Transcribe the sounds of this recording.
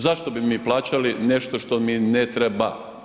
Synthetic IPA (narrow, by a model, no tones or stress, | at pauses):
zaʃt̪obimiːplˠaːt͡ɕaline̞ʃt̪o̞ʃt̪ominet̪ɾeba̰